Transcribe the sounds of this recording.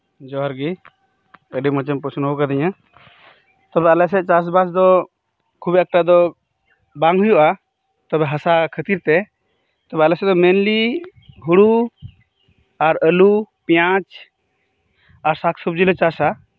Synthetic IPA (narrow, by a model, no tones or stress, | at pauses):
d͡ʒɔɦɔɾɡi | əɖimɔt͡ʃɛmpɔsunɦukad̪ɛɲa | t̪ɔbɛalɛs̬ɛt͡ʃas̬basd̪ɔ | kʰubɛk̚ʈad̪ɔ | baŋɦujuʔa | t̪ɔbɛɦasakʰət̪iɾt̪ɛ | t̪ɔbɛalɛsɛd̪ɔmɛnliɦuɽu | aɾəlupijãt͡ʃ | aɾsakʰsɔb̚d͡ʒilɔt͡ʃasa